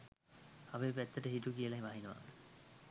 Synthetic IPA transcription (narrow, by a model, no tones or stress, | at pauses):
aʋeːp̬æt̪ːəʈəɦiʈukijəlaɦiʋaɦinəʋa̰